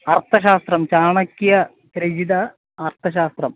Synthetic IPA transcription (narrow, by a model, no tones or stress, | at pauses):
ɐrt̪ʰɐɕ̬aːst̪rɐmt͡ɕaːɳɐkʲːijɐ | pɾɐd͡ʑid̪ɐː | rt̪ʰɐɕ̬aːst̪rɐm